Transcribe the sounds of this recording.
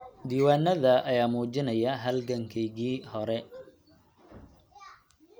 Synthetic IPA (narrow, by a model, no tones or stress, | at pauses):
d̪iːwaːnːɐðɐʔɐjaːmuːt͡ʃɪnɐjɐɦɐlɡɐŋkʰɛjɣiːhɔɾɛ